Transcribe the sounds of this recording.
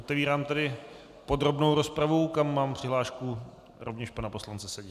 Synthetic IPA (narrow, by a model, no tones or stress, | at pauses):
ʔot̪ɛviːɾaːmt̪adɪ | po̞dɾo̞bnowɾo̞spɾavukamːaːmpr̥ɪɦlaːʃku | ɾovɲɛʃpanapo̞slant͡sɛsɛɟi